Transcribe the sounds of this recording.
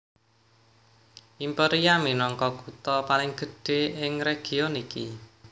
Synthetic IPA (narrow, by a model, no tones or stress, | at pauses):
ʔimpeɾijaminɔŋkɔkut̪ɔpalɪŋɡ̥ə̤ɖ̥e̤ɪŋɾeɡ̥i̤oniki